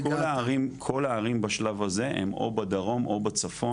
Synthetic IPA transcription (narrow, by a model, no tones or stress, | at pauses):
olaʁimkʰo̞laːʁimbaʃlavazehḛmo̞̰bad̪aʁo̞mʔo̞bat͡safo